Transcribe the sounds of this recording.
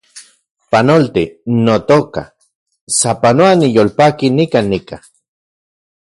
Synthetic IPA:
panolt̪inot̪oka̰ | sapanoanijolpakinikanːika

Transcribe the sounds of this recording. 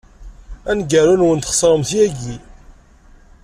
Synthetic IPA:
ænɡæɾunuwənt̪χə̥sˤɾˤəmθjæɡi

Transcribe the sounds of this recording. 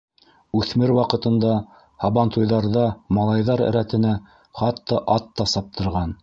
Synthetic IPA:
ʉθmɘɾwɑqɤ̆t̪ɤ̆nd̪ɑ | hɑβɑnt̪ujðɑɾðɑmɑlˠɑjðɑɾɘ̰̆ɾæt̪ɘ̆næ | χɑt̪ːɑʔɑt̪ːɑsɑp̚t̪ʰɤ̆ɾʁɑn

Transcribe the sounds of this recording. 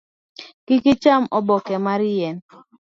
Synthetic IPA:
kɪkɪt͡ʃamɔbɔkɛmaɾjɛn

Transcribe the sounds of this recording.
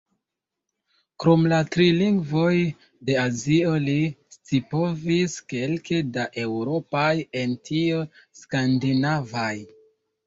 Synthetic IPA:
kɾo̞mlatɾiliŋɡvo̞j | de̞azio̞list͡sipo̞viske̞lkʰedaʔe̞wɾo̞paje̞ntʰioskandinavaj

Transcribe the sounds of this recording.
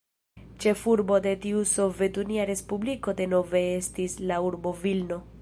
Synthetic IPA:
t͡ʃe̞fuɾbo̞d̪e̞tiuso̞ve̞tuniaɾe̞spubliko̞d̪e̞no̞ve̞estislauɾbo̞vilno̞

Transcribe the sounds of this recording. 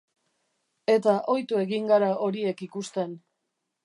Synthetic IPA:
e̞t̪aʔo̞jt̪ue̞ɣiŋɡaɾao̞ɾie̞kikust̪e̞n

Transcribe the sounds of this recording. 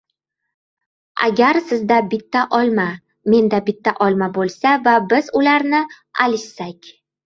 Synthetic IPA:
a̰ɡʲaɾsɪzd̪abɪt̪ʰːaʔɒlˠma | me̞nd̪abɪt̪ʰːaʔɒlˠmabolˠsavabɪzʊlaɾnɪ | alɪʃsakʲ

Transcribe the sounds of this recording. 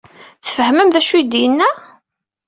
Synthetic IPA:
θəfəhməmðæʃud̪ijənːæ

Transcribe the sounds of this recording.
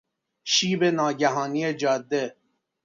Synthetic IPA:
ʃiːbenɑːɡæɦɔːnied͡ʒɒːd̪ːe

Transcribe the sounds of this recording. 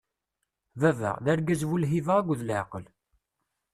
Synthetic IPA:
vævæ̰ʁðæɾɡæzvulɦivəʁæɡʷðlʕqəl

